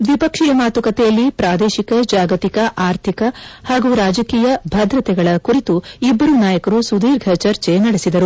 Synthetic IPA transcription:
d̪ʋipɐkʂijɐmaːt̪ukɐt̪ɛjɐlːipɾaːd̪eːʃikɐd͡ʒaːɡɐt̪ikɐʔaːɾt̪ʰikɐhaːɡuːɾaːd͡ʒɐkiːjɐbʱɐd̪ɾɐt̪ɛɡɐɭɐkuɾit̪uibːɐɾunaːjɐkɐɾusud̪iːɾɡʱɐt͡ʃɐɾt͡ʃenɐɽesid̪ɐɾu

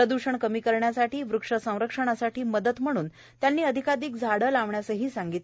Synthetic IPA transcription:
ɾəd̪uɕəɳkəmiːkəɾɳjasaʈiːʋɾukʂəsə̃w̃ɾəkʂəɳ̃asaʈiːməd̪ət̪m̤əɽ̃uːn | t̪janːiːəd̪ʱikad̪iːk̚d͡zʱaɽəlaʋɳjasəɦiːsaŋɡit̪l

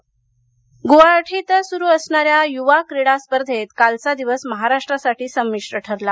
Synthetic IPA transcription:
ɡoaʈʰit̪suɾuːəsɳaɾjajuʋakɾiɽaspəɾd̪ʱet̪kalt͡sad̪iʋəsməɦaɾaʂʈɾasaʈʰiːsəmːiʂʈɾəʈʰəɾla

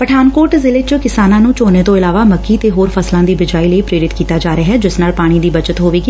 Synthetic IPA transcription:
pəʈʰaːnkoːɾʈzɪlɪt͡ʃkɪsaːnãːnũːt͡ʃoːneːt̪õːɪlaːʋaːməkːiːt̪eːɦoːɾpʰəslãːd̪iːbʋɪd͡ʒaːiːləiːpɾeːɾɪt̪kiːt̪aːd͡ʒaːɾəaːɦɛːd͡ʒɪsnaːlpaːɽ̃iːd̪iːbət͡ʃət̪ɦoːʋiːɡiː

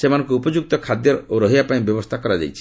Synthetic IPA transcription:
semanɔ̃ŋkuupɔd͡ʒuk̚t̪ɔkʰad̪jɔɾoɾɔɦijapaĩbjɔbɔst̪ʰakɔɾad͡ʒa̰jt͡ʃʰi̥

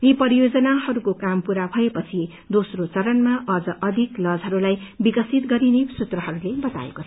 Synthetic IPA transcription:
jipʌɾijod͡zʌnahʌɾukokampuɾabʱʌepʌt͡sʰi | d̪osrot͡sʌɾʌnmaʔʌd͡zʌʔʌd̪ʱiklʌd͡zɦʌɾulajbikʌsit̪ɡʌɾinesut̪rʌɦʌɾulebʌt̪a̰ḛkot͡sʰʌ

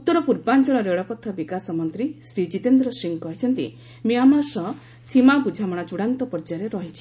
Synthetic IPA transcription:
ut̪ːɔɾɔpuɾband͡ʒɔɭɔɾeɭɔpɔt̪ʰːɔbikasɔmɔnt̪ɾisɾid͡ʒit̪end̪ɾɔsiŋkɔɦit͡ʃʰɔnt̪ḭ | miamasɔ | simapud͡ʒʱamɔɽ̃at͡ʃuɽant̪ɔpɔɾd͡ʒaɾeɾɔɦit͡ʃʰi̥

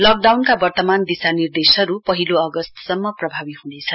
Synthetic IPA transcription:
lʌk̚ɖawnkabʌrt̪ʌmand̪isanird̪esʌɾupʌɦiloʌɡʌst̪sʌmːʌprʌbʱabihunet͡sʰʌ

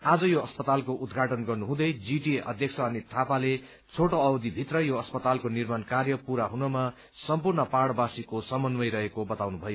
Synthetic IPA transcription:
ad͡zʌjoʌspʌt̪alkoʔud̪ɡʱaʈʌnɡʌrnuɦũd̪ʌjd͡ziʈieʔʌ̰d̪ʱjʌk̚sʰʌːnit̪ʰapale | t͡sʰoʈoʌbd̪ibʱit̪rʌjoʌspʌt̪alkonirmankarjʌpuɾaɦunʌma | sʌmpurnʌpaɽʌbasikosʌmʌnmʌjɾʌɦekobʌt̪awnubʱʌjo

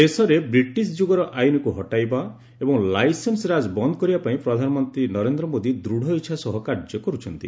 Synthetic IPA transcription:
esɔɾebɾiʈisd͡ʒuɡɔɾɔʔajnɔkuɦɔʈajba | ebɔŋlajsensɾad͡ʒbɔnd̪ɔkɔɾibapaĩpɾɔd̪ʱanɔmɔnt̪ɾinɔɾend̪ɾɔmod̪id̪ɾuɽ̤ʱɔitːʃʰasɔɦɔkaɾd͡ʒɔkɔɾut͡ʃʰɔnt̪i

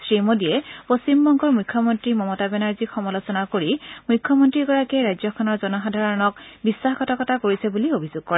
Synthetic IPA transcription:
sɹimodiɛpost͡ɕimbɔŋkɔɹmujkʰjɔmɔntɹimɔmɔtabɛnaɹzixɔmɔlosɔnakoɹimujkʰːjɔmɔntɹiɡɔɹakɛɹajzɔkʰɔnɔɹzɔnɔxɦadʱaɹɔnɔk̚bisːaxkɔtʰakɔtʰakoɹisɛbuliobʱizoɡ̚kɔɹɛ

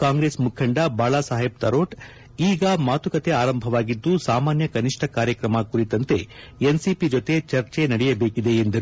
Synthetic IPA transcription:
kaːŋɡɾeːsmukʰːɐɳɖɐbaːɭaːsaːɦeb̚t̪ɐɾoːʈ | iːɡɐmaːt̪ukɐt̪e̞aːɾɐmbʱɐʋaːɡid̪ːusaːmaːnjɐkɐniʂʈʰɐkaːɾjɐkɾɐmɐkuɾit̪ɐnt̪e̞ | ensipid͡ʒot̪e̞t͡ʃɐɾt͡ʃenɐɽɛjɐbeːkid̪e̞ːnd̪ɐɾu

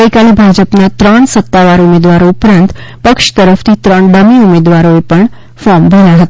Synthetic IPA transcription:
əikalebʱad͡ʒəpnat̪ɾəɳsət̪ːaʋaɾumed̪ʋaɾoupɾãnt̪pəkʃt̪əɾəft̪ʰit̪ɾəɳɖəmiumed̪ʋaɾoepəɳ | fɔɾmbʱəɳjaɦət̪aa

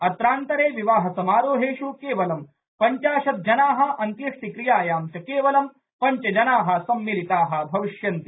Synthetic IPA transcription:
ɐt̪ɾaːnt̪ɐɾeːʋiʋaːɦɐsɐmaːɾoːɦeːʃukeːʋɐlɐm | pɐɲt͡ʃaːʃɐt̪̚d͡ʒɐnaːɦɐ̆ɐnt̪jɐʂt̪ikɾijaːjaːmt͡ʃɐkeːʋɐlɐm | pɐɲt͡ʃɐd͡ʒɐnaːɦɐ̆sɐmːilit̪aːɦɐ̆bʱɐʋiʃjɐnt̪i

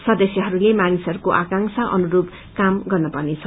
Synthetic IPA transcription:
sʌd̪ʌsjʌɦʌɾulemanisɦʌɾukoʔakaŋksʰaʔʌ̰nuɾob | kamɡʌrnʌpʌrnet͡sʰʌ

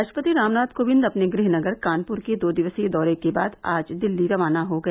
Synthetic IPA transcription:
aːʃpət̪iɾaːmnaːd̪koːbɪ̃nd̪ɐpneɡɾɪɦnɐɡəɾkaːnpʊɾked̪oːd̪ɪʋəsed̪ɔːɾekeba̰ːd̪a̰ːd͡ʒd̪ɪlːiɾɐʋaːnaɦoɡɐeː

